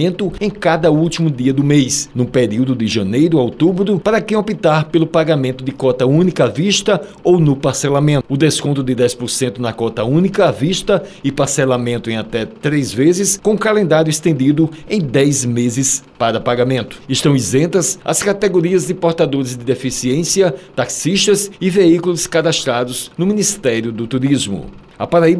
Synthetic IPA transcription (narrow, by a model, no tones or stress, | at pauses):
ẽnt̪ʊẽj̃kad̪ɐuwt̪imʊd̪iɐd̪ʊmejsnʊpeɾiwd̪ʊd̪ɪʒɐ̃nejɾʊaowt̪ubɾʊpaɾɐkẽj̃opit̪aɾpelʊpaɡamẽnt̪ʊd̪ɪkɔt̪ɐũnikɐaviʃt̪ɐ | ownʊpaɾsɛlamẽnʊd̪eskõnt̪ʊd̪ɪd̪ɛjspʊɾsẽnt̪ʊnɐkɔt̪ɐũnikɐaviʃt̪ɐɪpaɾsɛlamẽnt̪ʊẽj̃at̪ɛt̪ɾejzvezɪskõũkalẽnd̪aɾjʊist̪ẽnd̪id̪ʊẽj̃d̪ɛjzmezɪspaɾɐpaɡamẽnt̪ʊ̥ɪʃt̪ɐ̃w̃izẽnt̪ɐsɐ̰skat̪eɡoɾiɐzd̪ɪpoɾt̪ad̪oɾɪzd̪ɪd̪efisiẽsiɐt̪aksiʃt̪ɐzɪveikulʊskad̪ast̪ɾad̪ʊznʊmĩnist̪ɛɾjʊd̪ʊt̪uɾizmʊ̰ | ɐ̰paɾaib